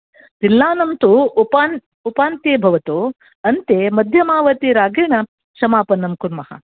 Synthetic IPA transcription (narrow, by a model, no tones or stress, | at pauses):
t̪ilːaːnɐmt̪upan | upaːnt̪eːbʱɐʋɐt̪u | ɐnt̪emɐd̪ʱjɐmaːʋɐt̪iɾaːɡiɳɐ | ʃɐmaːpɐnːɐmkunmɐhɐ̰